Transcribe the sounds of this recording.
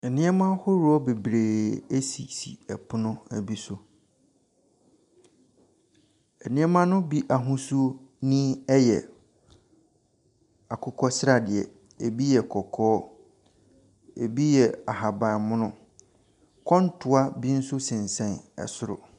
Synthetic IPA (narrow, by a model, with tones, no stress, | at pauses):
ɛ˨nɪ̃˦ɛ˦mã˦hʊ˦ɾu˨˦ɔ˦be˨bɾeː˨e˦si˨sḭ˨ɛ˨pʰʊ˦nʊ̃˦æ˨bi˦sʊ˨ | ɛ˨nɪ̃˦ɛ˦mã˦nʊ̃˦bi˦ʔa˨ɦʊ̃˦su˦o˦nĩ˦ɛ˦jɛ̰˨ | a˨kʰʊ˦kʰɔ˦sɪ˦ɾa˨dɪ˨ɛ̰˨ | e˨bi˦jɛ˨kʰɔ˨kʰɔː˦ | e˨bi˦jɛ˨a˨ɦa˨bã˨mʊ̃˦nʊ̃˦ | kʰɔ̃˦n̩˦tʰʊ˨a˦bi˦n̩˦sʊ˦sɪ̃˨n˨sɛ̃˨nɛ̰˨sʊ˦ɾʊ̰˨